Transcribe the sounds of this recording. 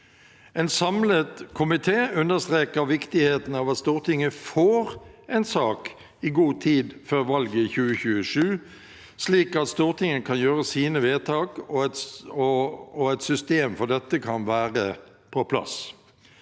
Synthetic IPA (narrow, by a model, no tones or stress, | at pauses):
ɛnsɑmlət̪kʰʊmɪt̪ʰeːʉnəst̪ʁeːkəʁʋɪkt̪ɪheːt̪n̩ɑʋɑt̪st̪uːʁt̪ɪŋːəfoːʁɛɪnsɑːk | ɪɡuːt̪ʰiːd̪føːɾʋɑlɡəçʉːəçʉːəʂʉː | sliːkɑt̪st̪uːʁt̪ʰɪŋːəkʰɑnjøːʁəsiːnəʋeːt̪ʰɑːkɔ | ɔɛt̪sʏst̪eːmfɔʁd̪ɛt̪ːəkʰɑnʋæːʁə | pʰɔpʰlɑ̰s